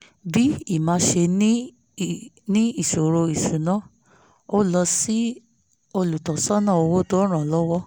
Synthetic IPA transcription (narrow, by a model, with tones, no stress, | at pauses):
bi˦i˦˨mãː˨˧˦ʃe˧nĩ˦ | nĩ˦i˦˨ʃo˨ɾo˧i˨ʃu˨nã˨˦ | o˦lɔ˧si˦ | o˧lu˨tɔ˨sɔ˦nã˦˨o˧wo˦to˦ɾ̃ã˨lɔ˦wɔ˦